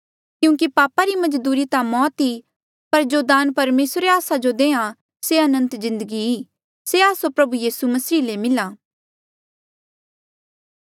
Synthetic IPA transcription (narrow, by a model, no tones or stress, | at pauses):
kjũːk̬ipaːpaɾimɐd͡ʒd̪uːɾit̪amɔːt̪i | pɐɾd͡ʒod̪aːnpɐɾmeːsɾeaːsad͡ʒod̪eːã | seɐnə̃nt̪zɪ̃nd̪əɡiiː | seaːsopɾɐbujiːsumɐsiːlemɪlaː